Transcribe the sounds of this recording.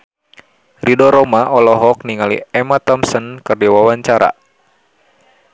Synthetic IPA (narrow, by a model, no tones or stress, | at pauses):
ridɔɾɔmaʔɔlɔɦɔk̚niŋalḭɛmat̪ɔmsənkɨrdiwawaɲt͡ʃaɾa̰